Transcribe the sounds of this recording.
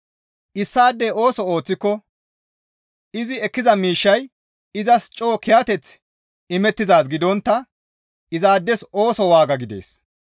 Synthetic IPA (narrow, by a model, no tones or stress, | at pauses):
ʔɪsːaːd̪ːeo̞ːsɔo̞ːt͡sːɪkːɔ | ɪzɪɛkːɪzɐmiːʃːɐj | ɪzɐst͡ʃʼo̞ːkɪjat̪ɛt͡s | ɪmɛt̪ːɪzaːsɡɪd̪ɔnt̪ːɐ | ɪzaːd̪ːɛso̞ːsɔwaːɡɐɡɪd̪e̞̰ːs